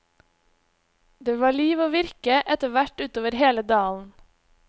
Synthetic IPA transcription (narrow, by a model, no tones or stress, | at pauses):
d̪eːʋɑːɭiːʋoːʋɪɾkəʔɛt̪əʋæʈʉːt̪oːʋəɾheːləd̪ɑːln̩